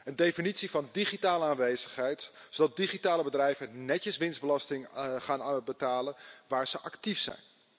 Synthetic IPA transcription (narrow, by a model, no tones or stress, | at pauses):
əndejfinitsivɑndiχitaːləaːnʋejzəχɦɛjtsodɑt̚diχitaːləbədrɛjvənɛtəsʋɪnzdbəlɑstɪŋχaːnbətaːlənʋaːɹz̥əʔɑktifsɛ̰jn